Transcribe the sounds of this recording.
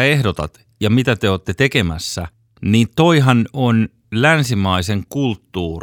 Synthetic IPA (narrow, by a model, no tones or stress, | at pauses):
ehdot̪ɑ̰t̪ | jɑmit̪æt̪eoːt̪ːet̪ekemæsːæ | niːnt̪oiɦɑnon | lænsimɑiseŋkult̪ːuːr